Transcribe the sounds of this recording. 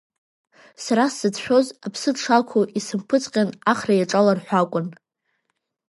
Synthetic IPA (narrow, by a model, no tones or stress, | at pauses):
saɾasɨdʰʃʷᶣo̞zapʰsɨdʂalkʷʰoʔisɨmpʰɨt͡sʼqʲʼanaχrajaʈ͡ʂʼalarħʷᶣakʷʼʊn